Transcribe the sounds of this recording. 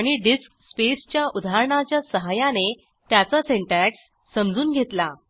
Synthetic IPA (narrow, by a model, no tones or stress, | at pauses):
aɽ̃iɖiskspest͡ɕjaʔud̪ʱaɾɳat͡ɕjasəɦajane | t̪jat͡saseɳʈæksː | əmd͡zuːnɡʱet̪la